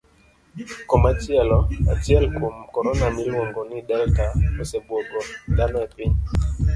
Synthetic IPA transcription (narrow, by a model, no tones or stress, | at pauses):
kɔmatiɛlɔa̰tiɛlkumkɔɾɔnamilwɔŋɡɔnidɛltaɔsɛbwɔɡɔdanɛpin